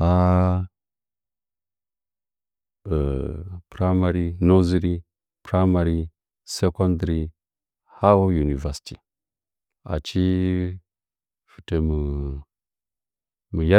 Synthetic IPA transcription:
a˦˨ | pɾa˦ma˨ɾi˦no˦zi˦ɾi˦ | pɾa˦ma˨ɾi˦ | se˦ko˦ndɾi˦ | ha˦wo˦ju˨ni˨va˨si̥˨ti˨ | a̰˨t͡ʃi˦ | fu̥˨te˨mu˨ | mu˨ja˦

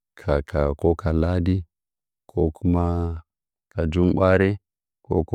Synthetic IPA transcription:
kʰa˨kʰa˨ko˦ka˨la˦di˦ | kʰo˦kʰu˦ma˦ | ka˨d͡ʒu˦mɓʷa˦ɾe˦ | ko̰˦ku˦

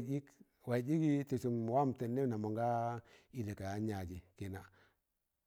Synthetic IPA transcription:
d͡ʒi˦k | wa˨d͡ʒi˦ki˦tu˨su˨mwa˦m˨te˨nːe˦na˨mo˨ŋɡa˦i˦˨le˨ka˨ja˦ɲa˨d͡ʒi˨ki˨na˨

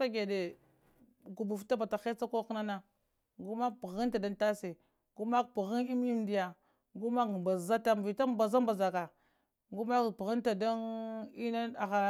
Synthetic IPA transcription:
ka˦ɡe˨de˨ | ɡu˨bu˨fta˦ba˨ta˨xe˦t͡sa˦ko˦kna˦na˦ | ɡu˦ma˦pi˨ɣi˦nta˨da˦nta˦se˨ | ɡu˦ma˦kpu˨ɣi˦ni˦m˦i˦mdi˦ja˨ | ɡu˦ma˦kmba˨za˦ta˦m˨vi˨ta˦mba˨za˦mba˨za˨ka˨ | ɡu˦ma˦kpɣi˦nta˨da˦ni˦na˦a˨ɣa˨

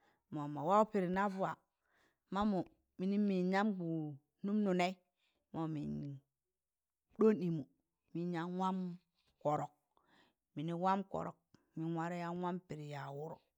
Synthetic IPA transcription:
mo˨ma˨wa˦u˦pi˨ɾi˨na˦vu˦˨a˨ | ma˦mo˨ | mi˨ni˦mi˨ɲa˦mɡu˨ | nu˦mnu˨ne˦i˦ | mo˨mḭ˨n˨ | ɗo˦ni˨mu˨ | mi˦ɲa˦wa˦m | ko˨ɾo˨k̚ | mi˨ni˦wa˦mko̰˨ɾo̰˨k̚ | mi˦wa˦ɾe˦ja˦wa˦mpi˨ɾi˨ja˨wu˦ɾo˨

